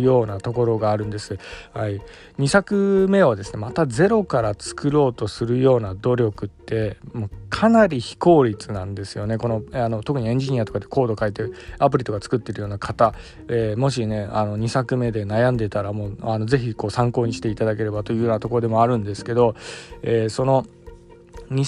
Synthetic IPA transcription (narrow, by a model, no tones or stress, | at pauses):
jo̞ːnat̪o̞ko̞ɾo̞ɡaːɾɯ̟̃nd̪e̞sɨhai | ɲ̟isakɯ̟me̞ad̪e̞sɨ̥ne̞mat̪ad͡ze̞ɾo̞kaɾat͡sɨ̥kɯɾo̞ːt̪o̞sɨɾɯ̟jo̞ːnad̪o̞ɾʲo̞kɯ̟t̪ːe̞mokʰanaɾʲiçi̥ko̞ːɾʲit͡sɨnãnd̪e̞sɨjo̞ne̞ko̞no̞ano̞t̪o̞kɯ̟ɲ̟iẽ̞ɲ̟d͡ʑiɲ̟iat̪o̞kad̪e̞ko̞ːd̪o̞kait̪eap̬ɯ̟ɾʲit̪o̞kat͡sɨ̥kɯ̟t̪ːe̞ɾɯ̟jo̞ːnakʰat̪a | emo̞ɕ̬ine̞ano̞ɲ̟isakɯ̟me̞d̪e̞najãnd̪e̞t̪aɾamo̞ːano̞ze̞çiko̞ːsãŋko̞ːɲ̟iɕi̥t̪e̞it̪ad̪ake̞ɾe̞bat̪o̞jɯ̟ːjo̞ːnat̪o̞ko̞ɾo̞d̪e̞mo̞aɾɯ̟̃nd̪e̞sɨ̥ke̞d̪o̞eːso̞no̞ | ɲi